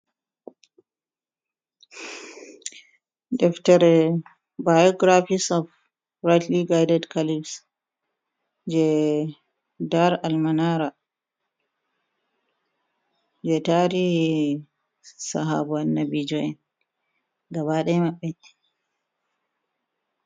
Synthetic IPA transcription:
dɛftɛɾɛ | bajɔɡɾafisɔf | ɾatliɡajdɛdkalibs | d͡ʒɛ | daɾalmanaɾa | d͡ʒɛtaɾi | sa̰ɦa̰buanːabid͡ʒɔɛn | ɡabaɗɛmaɓːɛ

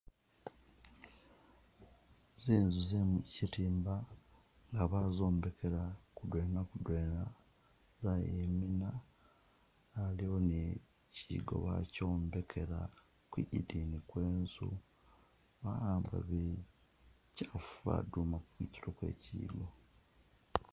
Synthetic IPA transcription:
zeːnzuzemucitiːmba | ŋɡaβazo̞ːmbe̞kʰe̞ɾakudwe̞ːnakudweːna | zajemina | lio̞ne | ciːɡo̞̰βa̰co̞ːmbe̞kʰe̞ɾa̰ | kwiɟḭdinikwe̞ːnzṵ | βaaːmba̰βe | cafuβa̰dumakukwḭːci̥lokwḛcḭːɡo̞

